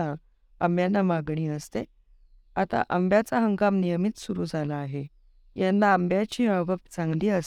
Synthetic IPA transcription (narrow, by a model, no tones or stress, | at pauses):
a | əmbjanːamaɡɳiːəst̪e | at̪a̰ʔəmbjat͡saɦəŋɡamnijəmit̪suɾuːd͡zʱalaːɦe | janːaəmbjat͡ɕiːə̃ʋəpt͡sãŋɡliːəs